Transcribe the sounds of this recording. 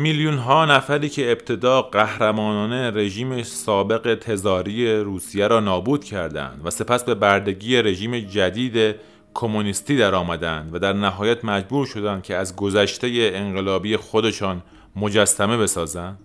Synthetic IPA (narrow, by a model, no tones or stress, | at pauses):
miljunɦɒːnæfæɾiːcʰe̞ːbt̪ʰe̞d̪ɒːɢæhɾæmɒːnɒːne̞ɾe̞ʒiːmesɒːbe̞ɣe̞t̪ʰe̞zɒːɾije̞ɾuːsijeɾɒːnɒːbuːd̪̥cʰæɾd̪æ̰nd̪væse̞pʰæsbe̞bæɾd̪e̞ɡiːje̞ɾe̞ʒiːme̞d͡ʒæd̪iːd̪e̞ | kʰo̞monist̪iːd̪æɾɒːmæd̪ænd̪væd̪æɾnæɦɒːjæt̪ʰmæd͡ʒbuːɾʃo̞d̪ænd̪̥̚cʲʰeæzɡo̞zæʃt̪e̞je̞ːŋɢe̞lɒːbiːjexod̪e̞ʃɒːn | mo̞d͡ʒæsːæme̞be̞sɒːzænd̪̥